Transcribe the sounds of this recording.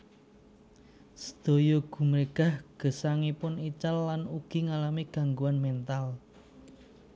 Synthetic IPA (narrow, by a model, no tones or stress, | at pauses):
sə̥d̪̥o̤jɔɡ̥ṳmɾeɡ̥a̤hɡ̥ə̤saŋipʊnit͡ʃalːanuɡ̥i̤ŋalamiɡ̥a̤ŋɡuanmɛnt̪al